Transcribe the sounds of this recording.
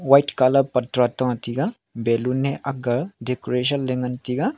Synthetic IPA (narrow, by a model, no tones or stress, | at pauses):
wajʈkalɐb̚pɐt̪ɾat̪ãt̪iɡa | belunːeʔɐɡɐɾɖekoɾeʃ̬ənleŋɡɐnt̪iɡa